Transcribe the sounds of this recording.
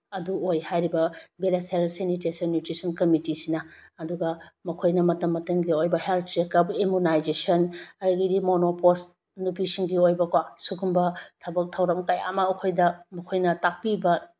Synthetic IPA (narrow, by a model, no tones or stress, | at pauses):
ɐduojhajɾibɐbelaselsenitesɐnːjutɾisɐnkɐmitisinɐɐduɡɐmɐkʰojnɐmɐtɐmːɐtɐŋɡiojbɐheltʰɾekɐpemunajzesɐnɐɾɐɡidimonopos | nupisiŋɡiojbɐkwasuɡumbɐtʰɐbɐk̚tʰɐwɾɐmkaja̰maɐkʰojdɐmɐkʰojnɐtak̚pibɐ